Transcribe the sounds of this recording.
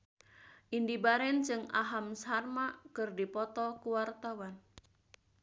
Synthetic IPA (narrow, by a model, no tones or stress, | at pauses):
ʔindibaɾɛnd͡ʒɨŋa̰ɦamsɦarmakɨrdipɔt̪ɔkuwart̪awan